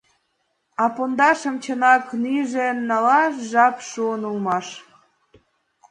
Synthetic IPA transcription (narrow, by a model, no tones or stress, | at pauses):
ɑpond̪ɑʃə̆mt͡ɕənɑknyʒenːɑlɑʃʒɑpʃuənulmɑʃ